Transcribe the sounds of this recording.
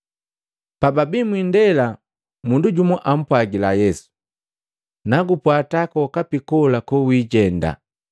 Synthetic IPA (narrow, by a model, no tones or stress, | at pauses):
pababimwindɛla | munduɟumɔʔam̩pwaɡilajɛsu̥ | naɡupwatakɔkapikɔlakɔwiːɟɛnda̰